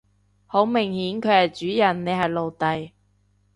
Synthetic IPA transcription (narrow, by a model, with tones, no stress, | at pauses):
ho˨˥wmɪ˨˩ŋhiː˨˥nkʰɵ˨˧ɥhɐ˨˩jt͡ʃyː˨˥jɐ˨˩nːe˨˧jɦɐ˨jlo˨wt̪ɐ˨j